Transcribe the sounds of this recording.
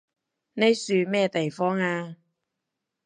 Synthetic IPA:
ne˥jsyː˨˧mɛː˥˧t̪e˨jfɔː˥ŋaː˧

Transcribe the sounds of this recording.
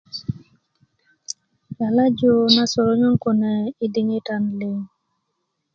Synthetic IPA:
la˨la˦d͡ʒo˦na˦so˨ɾo˦ɲo˦ŋ˦ko˨nɛ˨i˦di˦ŋi˦ta˨nlɪ˦ŋ

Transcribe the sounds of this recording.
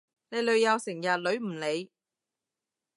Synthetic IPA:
le˨˧jlɵ˨˧ɥjɐ˨˧wsɪ˨˩ŋjɐ˨t̚lɵ˨˧˥ɥm̩˨˩le˨˧j

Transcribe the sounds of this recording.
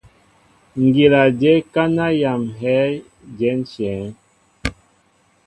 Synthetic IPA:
ŋ̩˨ɡi˨la˨d͡ʒe˦ka˦na˦ja˨mɦɛ˦ | d͡ʒɛ˨˦n̩˦t͡ʃɛ̃ː˨˦

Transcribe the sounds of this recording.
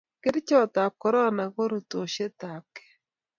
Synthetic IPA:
kɪ˦ɾt͡ʃɔ˦˨t̪a˨p̚kɔ˨˦ɾɔ˦na˨ɣo˦ɾu˨to˨ʃe˦t̪a˨kɛ̥˨˦

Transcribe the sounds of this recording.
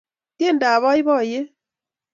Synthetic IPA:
tje˦˨nda˨βɔ˦i˦βɔ˦˨je˦

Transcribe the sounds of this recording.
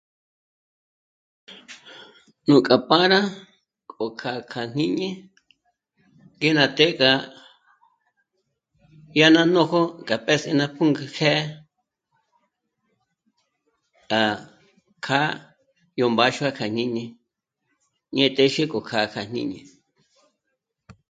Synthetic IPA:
nũ˨kʼa˨pã˦ɾã˦ | kʼo˨kʰa˧kʰa˨n̥ĩ˦ɲẽ˦ | ŋɡe˦nã˧t̪e˦kʼa˧ | ja˦nã˦˧nõ˦ho˦kʼa˨pe˦sẽ˧nã˧pʰũ˦ŋɡa˧kʰɛ˦ | ka˨ | kʰa˦ | jo˨mba˧˦ʃu˦a˦kʰa˨n̥ɲĩ˦ɲẽ˧ | ɲẽ˧t̪e˦ʃe˦kʼo˨kʰa˨kʰa˨n̥ḭ̃˦ɲḛ̃˧

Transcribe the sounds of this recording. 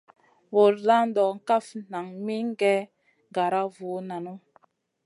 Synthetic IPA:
wo˨lla˦n˦dɔ˨ŋ̩˨ka˦fna˨ŋmi˦ŋ˦ɡɛ˦ | ɡa˨ɾa˦vuː˨˦na˨nu˦

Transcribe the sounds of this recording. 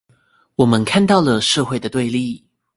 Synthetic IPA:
wɔ˨˩mə˦nkʰa˥˧nt̪ɑ˥˩ʊlə˨˩ʂɤ˥˧xwe˥˩ɪd̪ə˩t̪we˥˧ɪli˥˨

